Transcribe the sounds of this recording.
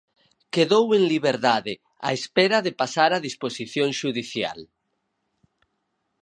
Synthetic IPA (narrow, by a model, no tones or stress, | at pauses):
keðoweŋliβ̞eɾðaðe | a̰espeɾaðepasaɾaðisposiθjõŋʃuðiθja̰l